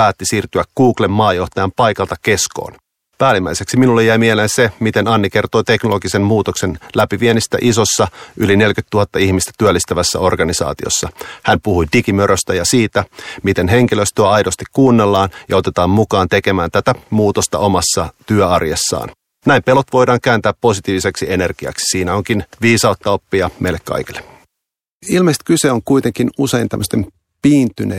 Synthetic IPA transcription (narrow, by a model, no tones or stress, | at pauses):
pæːt̪ːisiːrt̪yækkuːklemːɑːjo̞ht̪ɑjɑmpɑjkɑlt̪ɑke̞sko̰ːn | pæːlimːæiseksiminulːejæimieleːnsemit̪e̞nɑnːike̞rt̪oːt̪e̞knoloɡisemmuːt̪okse̞nlæpiʋienist̪æ̰ʔiso̞sːɑʔyline̞lkyt̪ːuhɑt̪ːɑihmist̪æt̪yølːist̪æʋæsːæ̰o̞rɡɑnisɑ̰ːt̪io̰sːɑhænpuhujdikimøɾøst̪æjɑsiːt̪æmit̪enɦe̞ŋkiløst̪yøɑjdost̪ikkuːnːelːɑːnjɑo̞t̪e̞t̪ɑːmmukɑːnt̪e̞ke̞mæːnt̪æt̪æmuːt̪ost̪ɑ̰o̞mɑsːɑt̪yœɑrjesːɑ̰ːn | næimpe̞lot̪ʋo̞jdɑːŋkæːnt̪æːppo̞sit̪iːʋise̞ksie̞ne̞rɡ̥iɑ̰ksi̥siːnæo̞ŋkinʋiːsɑot̪ːɑopːiɑmeilekkːɑ̰jkilːe | ilmeist̪kyseoŋkuit̪eŋkinuseint̪æ̰mːøst̪em | piːnt̪yne